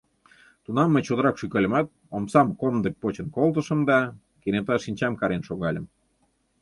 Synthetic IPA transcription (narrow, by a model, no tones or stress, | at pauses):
t̪unɑmːə̆t͡ɕod̪ə̆ɾɑkʃykɑlʲə̆mɑt̪̚ | omsɑmkond̪ək̚pot͡ɕə̆nkolt̪ə̆ʃə̆md̪ɑ | kenet̪ɑʃinʲt͡ɕɑmkɑɾenʃoɣɑlʲə̆m